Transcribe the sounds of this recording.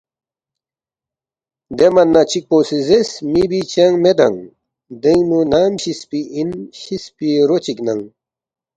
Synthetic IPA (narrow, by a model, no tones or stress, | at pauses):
d̪emɐnːat͡ɕik̚poːsizesmibit͡ɕeŋmed̪ɐ̰ŋ | d̪eŋnunaːmɕispiinɕispiɾot͡ɕiknɐŋ